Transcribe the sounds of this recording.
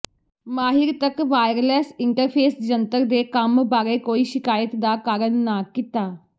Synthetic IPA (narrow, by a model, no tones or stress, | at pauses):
maːɦɪɾt̪əkʋaːjəɾəlɛːsɪɳʈəɾpʰeːsd͡ʒənt̪əɾd̪eːkəmbaːɾeːkoːiːʃɪkaːjət̪d̪aːkaːɾənːaːkɪt̪aː